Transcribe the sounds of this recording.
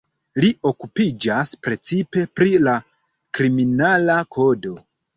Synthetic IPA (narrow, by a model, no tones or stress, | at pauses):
liʔo̞kupid͡ʒaspɾe̞t͡sipe̞pɾila | kɾiminalakʰo̞do̞